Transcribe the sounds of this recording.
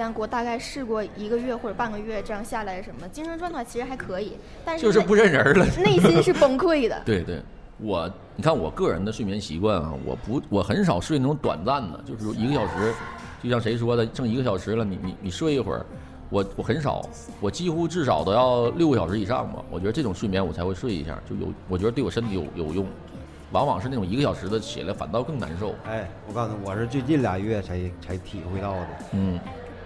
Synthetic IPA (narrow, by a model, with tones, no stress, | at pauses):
ljɑ˧˥ŋkwɔ˧˥t̪a˥˧ka˥˧ɪʂɻ̩˥˧kwɔ˥˩i˧˥ɡə˧ɥɛ˥˧xwɔ˥˩ʈ͡ʂə˨˩pa˥˩nɡə˩ɥɛ˥˧ʈ͡ʂɤ˥˧jɑ˥˧ŋɕja˥˩la˧˥ɪə˧ʂə˧˥nmə˧t͡ɕi˥ŋʂʰɤ˧˥ŋʈ͡ʂwnt̪ʰa˧˩t͡ɕʰi˧˥ʂɻ̩˧˥xa˧˥ɪkʰɤ˧˥i˨˩˦ʂt͡ɕjo˥˧ʊʂɻ̩˥˧p̬u˥ɻə˥˩nə˧˥lə˧ne˥˩ɕʂɻ̩˥˩pɤ˥ŋkʰwe˥˩ɪ˨˩d̪ə̰˩˦t̪we˥˩ɪt̪we˥˩ɪ | wɔ˨˩˦ni˨˩kʰa˥˩nwɔ˨˩kɤ˥˩ɻə̰˧˥nd̪ə˧ʂwe˥˩ɪmjɛ˧˥nɕḭ˧˥kwa˥˩nɐ̰˩wɔ̰˨˩pu˧˥wɔ˨˩xə˧˥nʂ̬ɑ˨˩ʊʂ̩˥˧˥n˥˩ʊ˧˥t̪wa̰˨˩nt͡sa˥˩nd̪ə̰˩t͡ɕjo˥˧ʂɻ̩˥˩wɔ˥˩i˧˥ɡə˧ɕjɑ˨˩ʊʂɻ̩˧˥ | t͡ɕjo˥˧ʊɕjɑ˥˩ŋ˩ʂe˧˥ɪʂɻ̩˥˩wt͡sɪʈ͡ʂɤ˥˩ŋi˧˥ɡə˧ɕjɑ˨˩ʊʂɻ̩˧˥lə˨ni˧˥ni˧˩ni˨˩ʂwə˥i˥˩xwə̰˞˨˩ | wɔ˨˩wɔ˨˩xə˧˥nʂɑ̰˨˩˦ʊ | wɔ˨˩t͡ɕi˥xu˥ʈ͡ʂɻ̩˥˩ʂɑ˨˩ʊd̪ə˧˥jɑ˥˧ʊljo˥˩ʊɡə˩ɕjɑ˨˩ʂɻi˨˩ʂɑ̰˥˩ŋmɐ̰˨˩wɔ̰˨˩t͡ɕɥɛ˧˥d̪ʈ͡ʂɤ˥˩ʈ͡ʂʊ˨˩ŋʂwi˥˧mjɛ˥˩nwɔ˨˩t͡sʰa˧˥xwe˥˧ɪʂwe˥˩ɪḭ˧˥ja̰˧t͡ɕjʊjo̰˨˩ʊwt͡ɕɥɛ˧˥ə˧t̪wwə˥nt̪ʰi˥˩jo̰˧˥ʊjo˨˩ʊjʊ˥˩ŋ | wɑ˧˥ŋwɑ˨˩ŋʂɻ̩˥˧a˥˩ʈ͡ʂʊ˩ŋ˧i˧˥ɡə˧ɕjɑ˨˩ʊʂɻ̩˧˥d̪ə˧t͡ɕʰḭ˨˩lə˥fa̰˨˩nt̪ʊkɤ˥˩ŋna̰˧˥nʂo˥˩ʊe˥˩ɪwɔ˨˩kɑ˥˩n˧˩wɔ˨˩ʂɻ̩˥˧t͡swe˥˧ɪt͡ɕi˥˩nlja˨˩ɡə˧ɥɛ˥˩t͡sʰa˧˥ɪt͡sʰa˧˥ɪt̪ʰi˨˩xwe˥ɪt̪ɑ˥˩ʊd̪ə˩n̩˥˩